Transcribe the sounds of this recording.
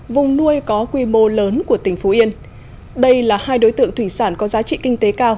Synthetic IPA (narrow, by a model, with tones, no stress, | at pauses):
vʊ˨˩ŋ͡mnu˧əjkɔ˨˦kwi˧mo˧ləː˨˦nku˧˩ət̪ï˧˩ŋ̟fo˨˦ʔi˧ən | ɗə˧jlaː˨˩haː˧jɗo˨˦jt̪ɨ̰˧əŋt̪ʰwi˧˩saː˧˩nkɔ˨˦zaː˨˦t͡ɕḭ˧˨kï˧ŋ̟t̪e˨˦kaː˧w